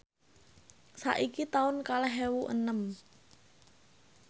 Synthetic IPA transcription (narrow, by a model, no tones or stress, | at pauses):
sa̰ʔikit̪aʊnkalɛɦewuʔə̰nəm